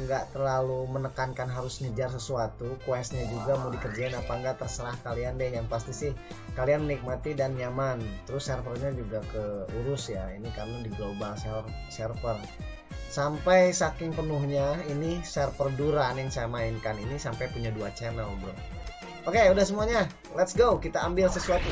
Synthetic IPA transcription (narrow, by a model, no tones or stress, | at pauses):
ŋɡaʔt̪ərlalumənəkankanɦaɾʊsɲəd͡ʒars̬əsuat̪ukwɛsɲad͡ʒuɡamudihkərd͡ʒaɪnapaŋɡaʔt̪ərsəɾahkaliandɛhjaŋpast̪isɪh | kalianmənik̚mat̪idanɲamant̪əɾʊsɛrfərɲad͡ʒuɡakəuɾʊsjainikarənadiɡaubaŋsɛrsɛrfər | sampajsakɪŋpənʊhɲainisɛrfərduɾanjaŋsajamaɪnkaninisampajpuɲaduat͡ʃɛnəlbəɾʊ̰ | okeudahs̬əmuaɲa | lɛt̪sɡokit̪aːmbɪlsəsuat̪u